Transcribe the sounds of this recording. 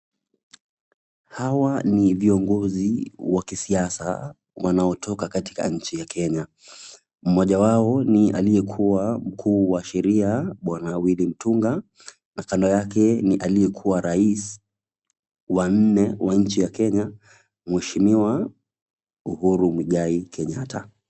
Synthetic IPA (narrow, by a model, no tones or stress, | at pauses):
hawaniviɔŋɡɔziwakisiasa̰ | wanaɔtʰɔkakati̥ka̰ɲ̩t͡ʃijakʰɛɲa | m̩mɔʄawaɔnia̰lijɛkʰuwam̩kʰuːwaʃɛɾiaɓwanawilim̩tuŋɡa | nakandɔjakɛniʔalijɛkʰuwaɾais | wan̩nɛwaɲ̩t͡ʃijakɛɲa | mwɛʃimiwa | uhuɾumwiɠaikʰɛɲatʰa̰